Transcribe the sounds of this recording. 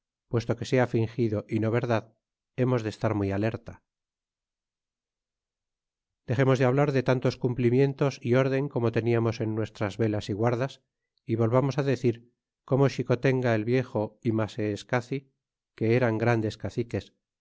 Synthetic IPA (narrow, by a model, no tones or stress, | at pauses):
pwe̞st̪o̞ke̞seafiŋxiðo̞ʔino̞β̞e̞ɾðað | e̞mo̞zðest̪aɾmwiale̞ɾt̪a | d̪̥e̞χe̞mo̞zðeaβ̞laɾðe̞t̪ant̪o̞skumplimje̞nt̪o̞sio̞ɾðe̞ŋko̞mo̞t̪e̞niamo̞se̞nːwe̞st̪ɾazβe̞lasiɣwaɾðas | iβo̞lβamo̞saðe̞θiɾ | ko̞mo̞ʃiko̞t̪e̞ŋɡaelβje̞xo̞imaseːskaθi | ke̞eɾaŋɡɾand̪e̞skaθike̞s